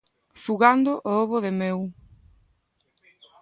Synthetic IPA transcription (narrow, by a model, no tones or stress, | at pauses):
suɣand̪ʊʔooβʊðɪmew